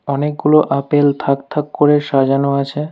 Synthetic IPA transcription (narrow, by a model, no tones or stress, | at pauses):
ɔnek̚ɡuloʔapelt̪ʰakt̪ʰakkoɾeʃad͡ʑanoat͡ɕʰe